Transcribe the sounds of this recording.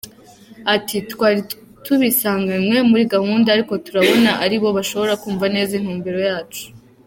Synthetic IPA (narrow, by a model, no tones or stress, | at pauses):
atitwaːɾi | tuβisaːŋɡanŋwe̞muɾiɡahuːndaaɾiko̞tuɾaβo̞naʔaɾiβo̞βaʃo̞βo̞ɾakuːɱvane̞ːzin̥huːmbiɾo̞jaːt͡ʃu̥